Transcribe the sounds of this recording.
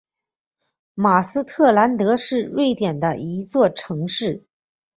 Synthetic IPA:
ma˨˩sɹ̩˥t̪ʰɤ˥˩la˧˥nt̪ɤ˧˥ʂɻ̩˥˧ɻwe˥˩ɪt̪jɛ˨˩nd̪ə˦ʔi˧˥t͡swɔ˥˩ʈ͡ʂʰɤ˧˥ŋʂɻ̩˥˩

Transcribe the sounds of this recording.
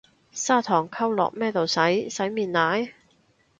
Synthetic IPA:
saː˥t̪ʰɔː˨˩ŋkʰɐ˥wlɔ̰ː˨k̚mɛː˥˩t̪o˨˩wsɐ˨˥jsɐ˨˥jmiː˨˩nnaː˨˥j

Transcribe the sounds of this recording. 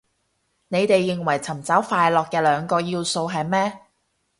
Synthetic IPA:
ne˨˧jt̪e˨jːɪ˨ŋwɐ˨˩jt͡sʰɐ˨˩mt͡sɐ˨˥wfaː˧jlɔː˨kːɛː˧lœː˨˧ŋkɔː˧jiː˧wso˧wɦɐ˨jmɛː˥

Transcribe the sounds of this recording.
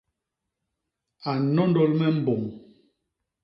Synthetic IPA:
a˨nɔ˦ndɔ˦lmɛ˦m̩˦bo˨ŋ

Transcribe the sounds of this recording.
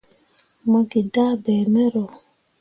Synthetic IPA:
mɔ˦ɡi˨da˦bɛː˨mɛ˦ɾɔ˨

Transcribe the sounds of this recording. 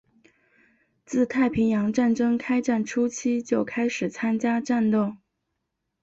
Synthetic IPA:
t͡sɹ̩˥˧t̪ʰa˥˩ɪpʰi˧˥ŋjɑ˧˥ŋʈ͡ʂa˥˩nʈ͡ʂɤ˥ŋkʰa˥ɪʈ͡ʂa˥˩nʈ͡ʂʰu˥t͡ɕʰi˥t͡ɕjo˥˩ʊkʰa˥ɪʂɻ̩˨˩t͡sʰa˥nt͡ɕja˥ʈ͡ʂa˥˧nt̪ʊ˥˩ŋ

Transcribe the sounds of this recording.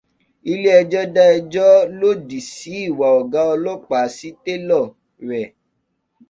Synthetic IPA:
i˧le˦ɛ˧d͡ʒɔ˦da˦ɛ˧d͡ʒɔ˦lo˦di˨si˨˦i˦˨wa˨ɔ˨ɡa˨˦ɔ˧lo˦k͡pa˨˦si˦te˦lɔ˦˨ | ɾɛ˨

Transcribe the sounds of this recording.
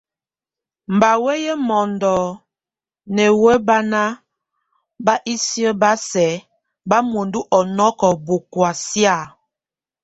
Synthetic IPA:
m̩˨ba˨we˦jɛ˦mɔ˨ndɔ˨ | nɛ˨wɛ˦ba˦na˦ | ba˦ʔi˦si˦ə˦ba˦sɛ˨˦ | ba˦mo˨ndu˦ʔɔ˨nɔ˦kɔ˨bo˨kwa˨sja˦˨

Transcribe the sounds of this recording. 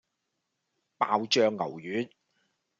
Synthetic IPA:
paː˧wt͡ʃœː˧ŋːɐ̰˨˩wjyː˨˥n

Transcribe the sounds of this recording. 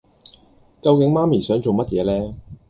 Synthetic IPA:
kɐ˧wkɪ˨˥ŋmaː˥miː˨˩sœː˨˥ŋt͡so˨wmɐ˥t̚jɛː˨˧lɛː˥

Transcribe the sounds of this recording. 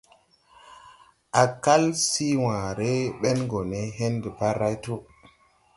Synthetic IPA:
ʔa˨ka˦lsi˦wãː˨ɾe˦ɓɛ˦nɡo˨ne˦ɦe˦nde˨pa˦ɾa˦jto˦

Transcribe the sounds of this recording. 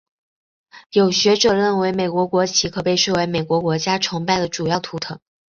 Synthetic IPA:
jo˨˩ʊɕɥɛ˧˥ʈ͡ʂɤ˨˩ɻə˥˩nwe˧˥ɪme˨˩ɪkwɔ˧˥kwɔ˧˥t͡ɕʰi˧˥kʰɤ˨˩pe˥˧ɪʂ̩˥˩we˧˥ɪme˨˩ɪkwɔ˧˥kwɔ˧˥t͡ɕja˥ʈ͡ʂʰʊ˧˥ŋpa˥˩ɪd̪ə˩ʈ͡ʂu˨˩jɑ˥˩ʊt̪ʰu˧˥t̪ʰɤ˨˧˥ŋ

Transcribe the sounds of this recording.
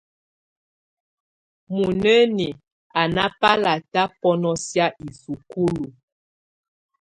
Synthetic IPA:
mu˨nə˦ni˨ | a˨na˦pa˦la˨ta˦pɔ˦nɔ˦sja˦ʔi˨su˨ku˦lu˨

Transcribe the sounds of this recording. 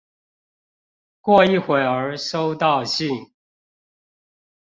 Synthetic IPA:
kwɔ˥˧i˥˩˨xwe˨˩ɪə˞˧˥ʂo˥˦ʊt̪ɑ˥˧ʊɕi˥˨ŋ

